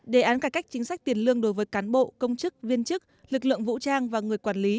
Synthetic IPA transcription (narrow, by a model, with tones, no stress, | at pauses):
ɗe˧˩ʔaː˨˦nkaː˧˩ka˦˥jk̟̚t͡ɕï˨˦ŋ̟sa˦˥k̟̚t̪i˨˩ənlɨ˧əŋɗo˨˦jvəː˨˦jkaː˨˦nɓo̰˧˨kə˧wŋ͡mt͡ɕɨ˦˥k̚vi˧ənt͡ɕɨ˦˥k̚lɨ˨˩k̚lɨ̰˧˨əŋvṵ˧˥t͡ɕaː˧ŋvaː˨˩ŋɨ˨˩əjkwaː˧˩nli˨˦